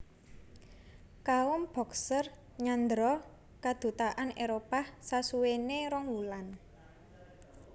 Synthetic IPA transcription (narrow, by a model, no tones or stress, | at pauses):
kaʊmb̥ɔ̤ksər | ɲand̪ɾɔ | kad̪̥ṳt̪aʔaneɾopahsasuweneɾɔŋwulan